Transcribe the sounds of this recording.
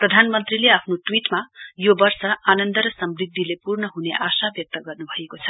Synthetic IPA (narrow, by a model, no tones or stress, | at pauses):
prʌd̪ʱanmʌnt̪rileapʰnoʈwiʈmajobʌrsʌanʌnd̪ʌɾʌsʌmrid̪ʱːilepurnʌɦunḛʔasabjʌk̚t̪ʌɡʌrnubʱʌekot͡sʰʌ